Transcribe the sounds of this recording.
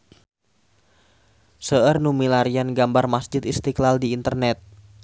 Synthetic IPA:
səərnumilaɾianɡambarmasd͡ʒɪt̪ist̪iklaldiːnt̪ərnɛt̪̚

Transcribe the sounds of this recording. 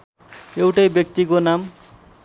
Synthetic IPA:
ewʈajbjek̚t̪ikonam

